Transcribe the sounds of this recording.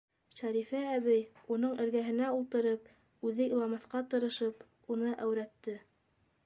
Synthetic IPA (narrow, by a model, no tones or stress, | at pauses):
ʃæɾifæːβɘjunɤɴʔɘ̆ɾɡæɦɘ̆næulˠt̪ɤ̆ɾɤp | ʉðɘilˠɑmɑθqɑt̪ɤ̆ɾɤ̆ʃɤp | unɤʔæwɾæt̪ːɘ